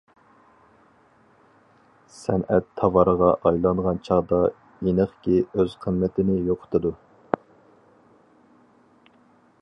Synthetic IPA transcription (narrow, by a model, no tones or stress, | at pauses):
sɛnɛt̪ʰːɑvɑɾəʁɑʔɑjlˠɑnʁɑnt͡ʃʰɑʁd̪ɑ | enəχkʲiøz̥qʰəmmɛt̪ʰɪnɪjoqʰʊ̥t̪ʰɨd̪u